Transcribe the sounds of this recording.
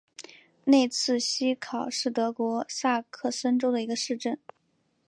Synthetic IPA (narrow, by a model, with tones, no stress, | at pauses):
ne˥˧ɪt͡sʰɹ̩˥˩ɕi˥kʰɑ˨˩ʊʂɻ̩˥˩t̪ɤ˧˥kwɔ˧˥sa˥˧kʰɤ˥˩sə˥nʈ͡ʂo˥ʊd̪ə˨i˧˥ɡə˧ʂɻ̩˥˧ʈ͡ʂə˥˩n